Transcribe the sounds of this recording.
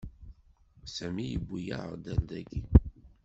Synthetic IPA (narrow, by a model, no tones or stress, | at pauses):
sæmijəbːujæ̰ʁd̪æld̪æɡi